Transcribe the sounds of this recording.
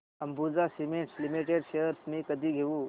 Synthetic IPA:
əmbud͡zasimẽɳʈslimiʈeɖɕejəɾsmĩkəd̪ʱiːɡʱeuː

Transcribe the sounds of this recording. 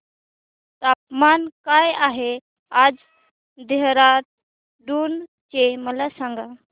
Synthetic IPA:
t̪ap̚mankajaɦe | ad͡z | d̪eɦɾat̪̚ | ɖun | t͡ɕeməlasãŋɡa

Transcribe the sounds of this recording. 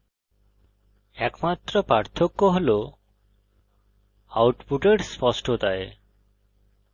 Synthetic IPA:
ɛkmat̪ɾɔpaɾt̪ʰokːɔɦolo | awʈpuʈeɽspɔsʈʰot̪ae

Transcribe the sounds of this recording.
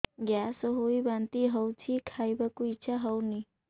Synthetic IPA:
ɡjasoɦoibant̪iɦəwt͡ʃʰikʰajbəkuiːt͡ʃʰaɦəwni

